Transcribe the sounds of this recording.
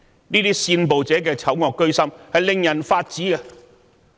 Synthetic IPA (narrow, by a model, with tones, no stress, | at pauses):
niː˥t̪iː˥siː˧npo˨wt͡sɛː˨˥k̬ɛː˧t͡sʰɐ˨˥wŋɔː˨˧kːɵ˥ɥsɐ˥mhɐ˨jlɪ˨ŋjɐ˨˩nfaː˧t̚t͡siː˨˥ɡa˧